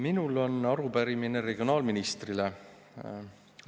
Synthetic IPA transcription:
minulo̞nːɑɾubæɾimine̞ɾeɡ̥io̞nɑːlminist̪rile

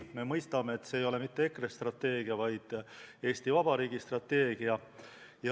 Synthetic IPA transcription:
me̞mɤjst̪ɑme̞ːt̪ːse̞ːjo̞le̞mit̪ːe̞ekrest̪rɑt̪ːe̞ːɡ̥iɑvɑjd̪̥e̞ːst̪ivɑbɑɾiːɡist̪rɑt̪ːe̞ːɡ̥iɑ | jɑ

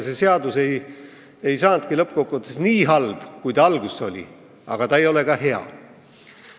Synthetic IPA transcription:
se̞se̞ɑd̪use̞j | ejsɑːnt̪̚kilɤp̚ːkokːˑut̪ːˑesniːɦɑlb̥kujt̪ɑɑlɡuso̞lʲḭ | ɑ̰ɡ̥ɑt̪ɑejo̞le̞kɑɦe̞ɑ̰

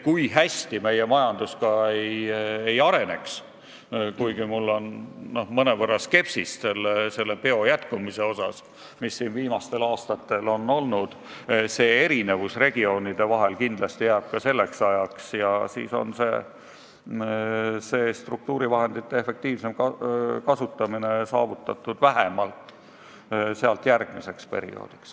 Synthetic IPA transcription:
kujɦæst̪ime̞jemɑjɑnd̪̥uskɑeje̞jɑɾe̞ne̞̰ks | kujɡimulːo̞nno̞hmɤnevɤrːɑske̞psisse̞lːese̞lːe̞pe̞o̞jæt̪kumise̞o̞sɑs | misːinviːmɑst̪e̞lɑːst̪ɑt̪ːe̞lo̞nːo̞lnud̪̥ | se̞ːe̞ɾine̞vusre̞ɡ̥io̞ːnid̪̥e̞vɑɦe̞lkind̪̥lɑst̪ijæːb̥̚kɑse̞lːe̞ksɑjɑksjɑsḭːso̞̰nse̞ | se̞ːst̪ruk̚t̪uːɾivɑɦe̞nd̪̥it̪ːee̞fe̞k̚t̪iːvsemkɑkɑsut̪ːˑɑmine̞sɑ̰ːvut̪ːˑɑt̪ːˑud̪̥væɦemɑlt̪ːˑ | seɑlt̪jærɡ̥misekspe̞ɾḭo̞̰ːd̪̥iks

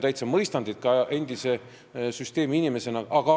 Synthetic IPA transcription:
t̪æjt̪sɑmɤjst̪ɑnd̪it̪̚kɑe̞nd̪̥ise̞ | syst̪e̞ːmiinʲime̞se̞nɑʔɑɡ̥ɑ

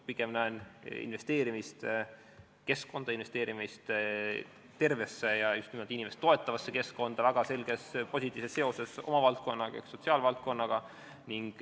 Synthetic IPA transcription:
piɡ̥emnæenḭnve̞st̪e̞ːɾimist̪ | ke̞sko̞nd̪̥ɑinve̞st̪e̞ːɾimist̪ | t̪e̞rve̞sːe̞jɑjust̪nimo̞ld̪̥inʲimest̪t̪o̞e̞t̪ːˑɑvɑsːe̞ke̞sko̞nd̪̥ɑvæɡ̥ɑse̞lɡ̥e̞spo̞sʲit̪ːˑiːsesːe̞o̞se̞so̞̰mɑvɑlt̪̚ko̞nːɑɡ̥ɑekso̞t̪ʲsiɑːlvɑlt̪̚ko̞nːɑɡ̥ɑ | niŋɡ̥

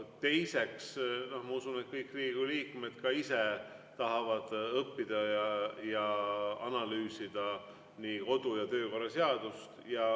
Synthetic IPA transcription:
t̪e̞jse̞ksno̞hmɑusune̞t̪̚kɤjkːˑriːɡuliːkme̞d̪̥kɑise̞t̪ɑɦɑvɑd̪̥ɤpːid̪̥ɑjɑjɑɑnɑlyːsid̪̥ɑ | niːko̞d̪̥ujɑt̪ø̞ːko̞rːɑse̞ɑd̪̥ust̪jɑ

